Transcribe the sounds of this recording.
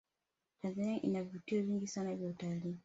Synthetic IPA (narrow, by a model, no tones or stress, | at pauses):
tanzaniaʔḭnavutiɔviŋɡisanaivjautaliː